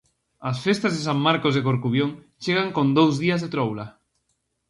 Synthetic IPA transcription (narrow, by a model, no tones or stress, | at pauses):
asfest̪azðesammaɾkozðekoɾkuβjoŋ | t͡ʃeɣ̞aŋkõnd̪owzðiazðet̪ɾowla